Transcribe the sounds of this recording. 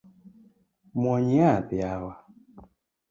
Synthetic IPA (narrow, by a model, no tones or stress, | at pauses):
mwɔɲiatiawa